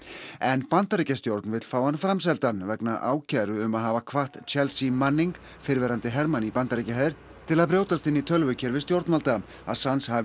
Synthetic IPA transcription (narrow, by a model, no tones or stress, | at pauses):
ɛnpant̪aɾicast̪jowɾt̪nvɪt̪l̥faːwanfɾams̬ɛlt̪anvɛknaʔa̰ːwcʰɛɾʏʏmaðɦaːvakʰvaht̪t͡ʃʰɛlsimanːiŋk | fɪɾvɛːɾant̪ɪɦɛɾmanipant̪aɾicaɦaðɪɾ̥ | t̪ʰɪlaðpɾjoːwt̪ast̪ɪnːit̪ʰœlvʏcʰɛɾvɪst̪jowɾt̪nalt̪a | a̰ðsanshav